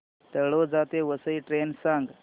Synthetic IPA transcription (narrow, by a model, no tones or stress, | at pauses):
t̪əɭod͡zat̪eʋəsəjʈɾensãŋɡ